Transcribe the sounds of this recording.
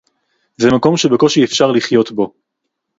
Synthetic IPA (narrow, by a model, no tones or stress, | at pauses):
zɛmako̞mʃebeko̞ʃiefʃaʁliχjo̞t̪bo̞